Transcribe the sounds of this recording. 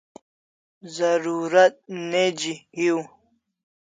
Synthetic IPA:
zɐɾuːɾɐt̪̚ned͡ʑihiw

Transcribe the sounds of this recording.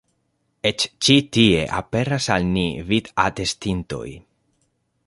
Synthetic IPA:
et͡ʃt͡ʃitie̞ʔa̰pe̞ɾasalnivid̪at̪e̞stinto̞̰j

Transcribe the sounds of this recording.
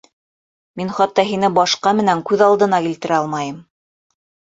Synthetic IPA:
minχɑt̪ːɑɦinɘbɑʃqɑmɘ̆næŋkʉðɑlˠd̪ɤ̆nɑkilt̪ɘ̆ɾæɑlˠmɑjɤm

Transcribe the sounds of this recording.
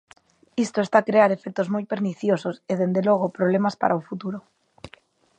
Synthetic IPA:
ist̪oest̪akɾeaɾe̞fek̚t̪ozmojpe̞ɾniθjososeð̞end̪eloɣ̞opɾoβ̞lemaspa̰ɾʔaofut̪uɾo

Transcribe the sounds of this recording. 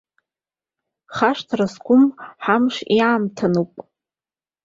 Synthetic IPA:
χaʂtʰraskʷʰʊmħamʂiamtʰanuwpʼ

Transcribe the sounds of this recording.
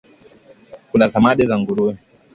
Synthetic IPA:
kunasamaɗɛzaŋɡuɾuɛ

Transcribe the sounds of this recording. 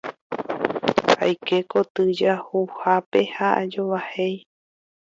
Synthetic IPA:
ha̰jke̞ko̞t̪ɨd͡ʒahuhape̞haʔa̰d͡ʒoʋahe̞j

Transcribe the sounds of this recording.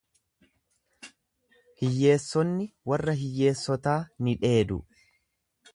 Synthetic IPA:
hɪjːe̞ːsːɔnːɪwɐrːɐɦɪjːe̞ːsːɔt̪aːnɪᶑe̞ːd̪ʊ̰

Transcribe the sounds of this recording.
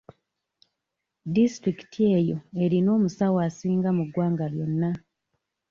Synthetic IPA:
distɾiki̥tʰie̞jo̞e̞ɾino̞ːmusawaːsiːŋɡamuɡwaːŋɡaljo̞nːa

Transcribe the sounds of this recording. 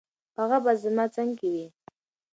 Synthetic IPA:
haɣabazəmat͡saŋkiwi

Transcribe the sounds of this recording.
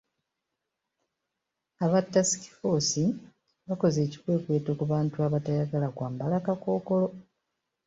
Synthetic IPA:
aβatːasi̥ki̥fo̞ːsi | βako̞ze̞ːci̥kwe̞ːkwe̞ːtokuβaːntuaβatajaɡalakwaːmbalakako̞ːko̞lo̞

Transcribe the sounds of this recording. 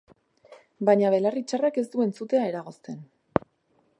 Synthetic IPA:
baɲaβe̞larit͡ʃarake̞s̬t̪ue̞nt͡sut̪e̞ae̞ɾaɣ̞o̞st̪e̞n

